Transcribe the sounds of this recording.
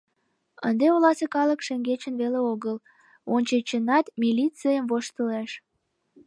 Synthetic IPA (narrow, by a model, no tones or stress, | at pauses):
ə̰nd̪eolɑsekɑləkʃeŋɡet͡ɕənβeleoɣəl | onʲt͡ɕet͡ɕənɑt̪mʲilʲit͡sɨjəmvoʃt̪əleʃ